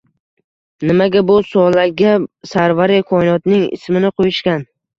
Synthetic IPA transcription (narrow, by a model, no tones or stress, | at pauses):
nɪmaɡʲabʊsɒlaɡʲasaɾvaɾɪkʰɒnɒt̪nɪŋɪ̰smɪnɪqʰojɪʃkʲan